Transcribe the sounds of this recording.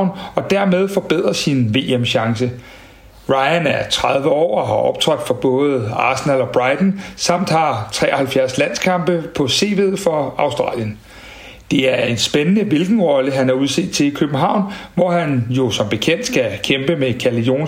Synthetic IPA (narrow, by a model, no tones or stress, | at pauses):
ʊ̰nɒ̽d̥æɐ̰með̞ˠfɒ̽b̥eð̰ˠʁɐsinʋe̝̰ːemɕɑ̈ŋsə | ʁɑ̈ɪænæɐt͡sʰʁɑðˠʋəɒ̰ːɒɦɑʔɒ̽b̥̚t͡sʰʁœd̥fɒb̥ɔ̽ːð̞̩ˠɑ̰̈ːsenælɒ̽b̥ʁɑ̈ɪd̥n̩sɑ̈m̰d̥hɑ̈t͡sʰʁɛ̰ːɒhælfjæɐslæn̰skʰɑ̈mb̥əpʰɒ̽se̝̰ːʋe̝ðˠfɒ̽ɑ̈ʊsd̥ʁɑ̰̈ːljən | d̥e̝æɐe̝nsb̥enənəʋilɡ̥n̩ʁɒ̽ləɦænæɐuð̞ˠse̝̰ːd̥̚t͡sʰe̝likʰøb̥n̩ɦɑ̈ʊ̰nʋɒhænjo̝sɒ̽mb̥e̝kʰen̰d̥sɡ̥ækʰemb̥əmekʰæɐlijo̝̰ːn